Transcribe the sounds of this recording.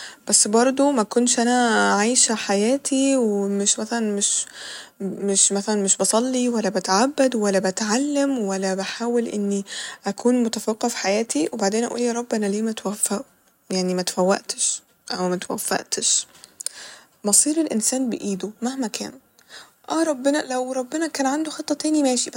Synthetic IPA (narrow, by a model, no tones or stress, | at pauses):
b̥æsːbɑɾˤd̪ˤomækonʃʔænæʕajʃħajæːt̪ʰiwmeʃmæθælænmeʃ | meʃmæθælænmeʃbɑsˤɑlːiwælːæbæt̪ʕabːæd̪wælːæbæt̪ʕalːemwælːæbaħaːwelʔɪnːiʔækʰuːnmʊt̪æfeqːɑfi̥ħajæːt̪iwebaʕd̪eːnʔæʔṵːljɑɾˤɑbːenæliːmæt̪wæfːæʔu | jaʕnimæt̪fæwːæ̰ʔt̪ʃ | ʔæwmæt̪æwæ̰fːæ̰ʔt̪eʃ | bɑsˤiːɾelʔensæːnbeʔiːd̪omahmækæ̰ːn | ʔæːɾˤɑbːenælæwɾˤɑbːenækæːnʕand̪oxet̪ˤːɑt̪æːnimæːʃib